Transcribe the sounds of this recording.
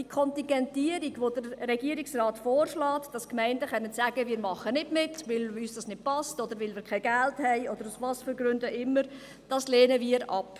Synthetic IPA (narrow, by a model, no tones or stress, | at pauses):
d̥ikʰɔntiŋɡɛntiəɾiɡʋod̥əɾːɛɡiəɾiksrɑːtfɔːrʃlɑːtd̥ɑskmɛɪndəχœnːənsæːɡ̥əviːɾmɑχənɪdmɪtʋɪlyːsd̥ɑsnɪd̥̚pɑstɔd̥̪əɾʋɪlviːɾkʰɛɪɡælthɛɪɔd̥̪əɾusʋɑsfəɾɡɾʏndəʔɪmːəɾ | d̥ɑsleːnəviːəɾɑ̰p